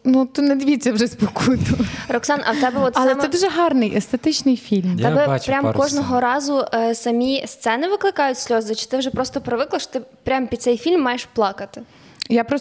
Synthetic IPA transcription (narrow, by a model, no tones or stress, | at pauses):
nut̪ʊnɛd̪ɪʋʲit͡sʲːɐwʒɛspɔkʰut̪ʊrɔksɑnʔɐ̰wt̪ɛbɛɔt̪sɐlɛmɛd̪uʒɛɦɑrnɪjʔest̪et̪ɪt͡ʃnɪjfʲilʲmt̪ɛbɛpɾʲamkɔʐʒnɔɦɔɾɑzʊsɐmʲist̪sɛnɪʋɪklˠɪkɑjʊtʲsʲlʲɔzɐt͡ʃi̥t̪ɪwʒɛpɾɔst̪ɔpɾɪʋɪklˠɐʃɔ̥t̪ɪpɾʲampʲid̪̚sɛjfʲilʲmːɑjeʃplˠɑkɐt̪ɪ̥ | japɾɔ